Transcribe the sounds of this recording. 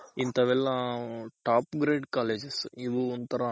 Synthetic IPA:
int̪ɐʋɛlːɐʈaːpɡɾeːɖkaːleːd͡ʒesiðuɔnt̪ɐɾɐ

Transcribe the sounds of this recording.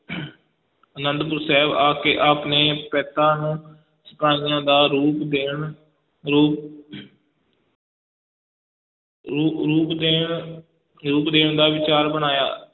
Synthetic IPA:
ənənd̪pʊɾsɛːbaːkeːʔaːpneːpɛːt̪ãːnũː | səpaːɪjãːd̪aːɾuːpd̪eːɳ | ɾuːp | ɾuːpd̪eːɳ | ɾuːpd̪eːɳd̪aːʋɪt͡ʃaːɾbəñaːja̰ː

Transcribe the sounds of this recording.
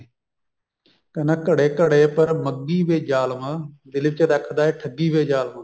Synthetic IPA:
kənəkəɽeːkəɽeːpəɾməɡːiːʋeːd͡ʒaːlmãːd̪ɪlɪbt͡ʃəd̪akʰd̪aːeːʈʰəɡiːʋeːd͡ʒaːlmãː

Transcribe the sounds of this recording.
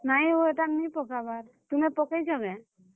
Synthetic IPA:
najoɛʈaknipɔkabaɾ | t̪umɛpɔkejt͡ʃʰɔbɛ

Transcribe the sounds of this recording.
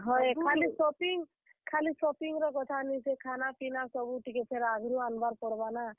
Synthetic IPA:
ɦɔjkʰalisɔpiŋ | kʰalisɔpiŋɾɔkɔt̪ʰanisekʰanapinasɔbuʈikepʰeɾaɡʱɾuanbaɾpɔɽbana

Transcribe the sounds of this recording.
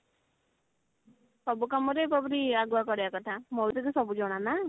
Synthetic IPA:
sɔbukamɔɾepɔbɔɾiaɡuakɔɾijakɔt̪ʰamɔlt̪ekusɔbud͡ʒɔɽ̃ana

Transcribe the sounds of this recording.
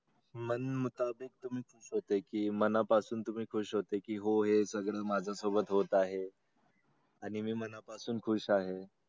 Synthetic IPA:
mənmut̪abik̚t̪um̤iːkʰuːɕɦot̪ekiːmənapasuːnt̪um̤iːkʰuːɕɦot̪ekiːɦoɦesəɡɭəːmad͡zʱasobət̪ɦot̪aɦe | aɽ̃imiːmənapasuːnkʰuɕaɦe

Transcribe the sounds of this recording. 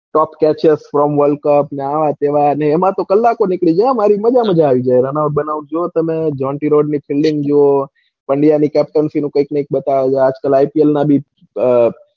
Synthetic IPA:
ʈɔpkɛt͡ʃesfɾɔmʋəlkəpneaʋat̪eʋaəneːmãt̪okəlːakonɪkɭid͡ʒãmaɾiməd͡ʒaməd͡ʒaːʋid͡ʒajɾənauɖ̚bənaud͡ʒoot̪əmed͡ʒɔ̃ɳʈiɾoɖnipʰɪlɖɪ̃ŋɡd͡ʒoo | pəɳɖijanikɛp̚ʈənsinũkəiknəik̚bət̪aʋed͡ʒad͡ʒkəlajpielnabʱi

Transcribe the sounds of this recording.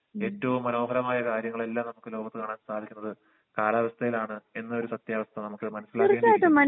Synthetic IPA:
e̞ːtːɐʋumːɐno̞ːɦɐɾɐmaːjɐkaːɾjɐŋːɐɭe̞lːaːmnɐmukːɨlo̞ːɡɐt̪ːɨkaːɳaːnsaːd̪ʱikʲːunːɐðɨ | kaːlaːʋɐst̪ʰɐjilaːɳɨe̞nːɐo̞ɾusɐt̪jaːʋɐst̪ʰɐnɐmukːɨmɐnɐsːilakɾeːaːðɐmɐn

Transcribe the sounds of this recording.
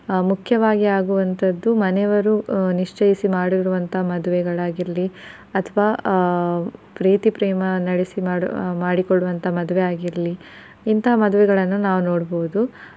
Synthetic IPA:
mukʰjɐʋaːɡiaːɡuʋɐnt̪ʰɐd̪ːumɐnɛʋɐɾuniʂt͡ʃɐjisimaːɽiɾuʋɐnt̪ɐɦɐmɐd̪uʋɛɡɐɭaːɡiɾɐli | ɐt̪ʰɐʋaː | pɾiːt̪ipɾɛːmɐnɐɽisimaːmaːɽikoɭːuʋɐnt̪ɐɦɐmɐd̪uʋɛaːɡiɾɐli | int̪ɐɦɐmɐd̪uʋɛɡɐɭɐnːunaːʋunoːɽboʋud̪u

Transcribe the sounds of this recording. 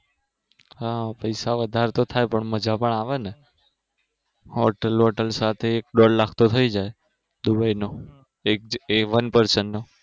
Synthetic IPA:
ɦapəjsaʋəd̪ʱaɾt̪ot̪ʰajpəɳməd͡ʒapəɳaʋene | ɔʈəlɔʈəlsat̪ʰeːk̚ɖɔɽlakʰt̪ot̪ʰəid͡ʒaj | d̪ubaino | ek̚eʋənpəɾsəɳno

